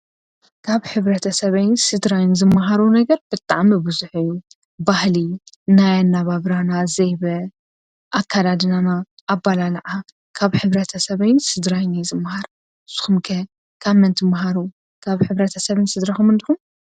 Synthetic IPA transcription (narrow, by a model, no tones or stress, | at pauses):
kʰaβħɨβɾɐt̪ʰɐsɐβɐjnsɨd̪ɾajnzɨmːɐɦaɾunɐɡɐɾb̥ɨt̪ʼa̰ʕmibɨzuħɨjːu | bahli | najanːaβaβɾanazejβɐ | ʔakʰːalad̪ɨnanaʔːbːalalʕa | kʰaβħɨβɾɐt̪ʰɐsɐβɐjnsɨd̪ɾajnizɨmːɐhaɾ | sɨ̥xumkʰɐ | kʰamːɐnt̪ʰɨmːɐɦaɾu | kʰaβħɨβɾɐt̪ʰɐsɐβɨnsɨd̪ɾaxumɨnd̪ixum